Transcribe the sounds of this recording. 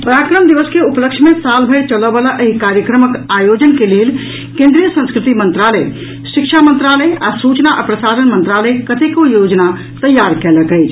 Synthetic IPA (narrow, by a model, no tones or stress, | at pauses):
pəɾaːkɾəmd̪iʋəskeupləkʃʰmẽsaːlbʱət͡ʃələʋʋalaʔəɦikaːɾjəkɾəməkaːjoːd͡ʒənkeleːl | kẽːnd̪ɾijəsə̃nskɾɪt̪imənt̪ɾaləj | ʃɪkʃʰamə̃nt̪ɾaːləjasuːt͡ʃnaʔa̰pɾəsaːd̪ənmə̃nt̪ɾaːləjkət̪ekojoːd͡ʒna | t̪əjːaːɾkɛləkəjt͡ʃʰ